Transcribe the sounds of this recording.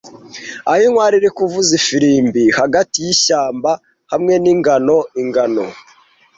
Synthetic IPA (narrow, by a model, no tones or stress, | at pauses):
ahiŋwaːɾiɾikuvuzifiɾiːmbihaɡatijiʃaːmba | hamŋe̞niŋɡano̞iŋɡano̰